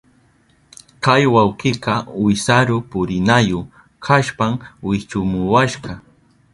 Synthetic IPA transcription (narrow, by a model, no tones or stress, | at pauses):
kajwawqɪqɑwɪsaɾʊpʊɾɪnajo | kʰaʃpamwɪt͡ʃʊmʊwaʃɢɑ